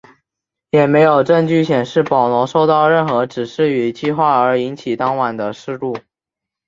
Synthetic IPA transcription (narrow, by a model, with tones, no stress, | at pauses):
jɛ˨˩me˧˥ɪjo˨˩ʊʈ͡ʂə˥˧ŋt͡ɕy˥˩ɕjɛ˨˩nʂɻ̩˥˩pɑ˨˩ʊnwɔ˧˥ʂo˥˧ʊt̪ɑ˥˧ʊɻə˥˩nxɤ˧˥ʈ͡ʂɻ̩˨˩ʂɻ̩˥˩y˨˩t͡ɕi˥˧xwa˥˩ə˞˧˥i˧˥nt͡ɕʰi˨˩t̪ɑ˥ŋwa˨˩nd̪ə˦ʂɻ̩˥˧lu˥˩